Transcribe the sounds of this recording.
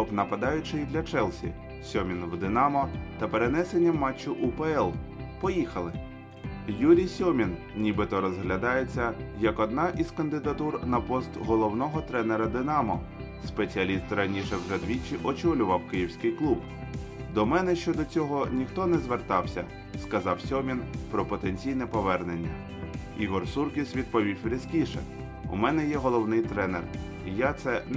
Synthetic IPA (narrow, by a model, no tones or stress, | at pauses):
ɔpnɐpɐd̪ɑjʊt͡ʃɪjd̪lʲɐt͡ʃɛlˠsʲḭ | sʲɔmʲinwd̪ɪnɑmɔt̪ɐpeɾenɛsenʲːɐmːɑt͡ʃːʊʔʊpeɛlˠpɔjixɐlˠɪ | juɾʲijsʲɔmʲin | nʲibɪt̪ɔɾɔzɦlʲɐd̪ɑjet͡sʲːɐjɐkɔd̪nɑʔiz̥kɐnd̪ɪd̪ɐt̪urnɐpɔst̪ɦɔlˠɔwnɔɦɔt̪ɾɛneɾɐd̪ɪnɑmɔ | spet͡sʲiɐlʲist̪ɾɐnʲiʃɛwʐɛd̪ʋʲit͡ʃiʔɔt͡ʃɔlʲʊʋɐwkɪjiwsʲkɪjklˠub | d̪ɔmɛnɛʃt͡ʃɔd̪ɔt͡sʲɔɦɔnʲixt̪ɔnɛzʋert̪ɑwsʲɐ̰ | skɐzɑwsʲɔmʲinpɾɔpɔt̪enʲt͡sʲijnɛpɔʋɛrnenʲːɐ̰ | iɦɔrsurkʲisʲʋʲid̪̚pɔʋʲiwpɾʲiskʲiʃɛ̰ | ṵmɛnɛjɛɦɔlˠɔwnɪjt̪ɾɛnḛr | ijat̪sɛ